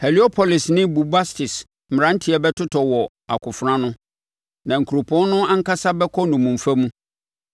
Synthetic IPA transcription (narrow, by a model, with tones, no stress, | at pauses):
hɛ˨li˨˦ɔ˦pʰɔ˨lɪ˨snɪ̃˦bu˨ba˦stɪ˨s | m̩˨ã˦n̩˦tʰɪ˨˦ɛ˨bɛ˦tʰʊ˦tʰɔ˨wɔ˨ | a˨kʰʊ˨fɾã˦nʊ̃˦ | nã˨ŋ̩˨kʰu˨ɾo˨pʰʊ˨˦ɔ˦nʊ̃˦a˦ŋ̩˦ka˦sa˦bɛ˦kʰɔ˦nʊ̃˨mũ˨m̩˨fa˦mũ˦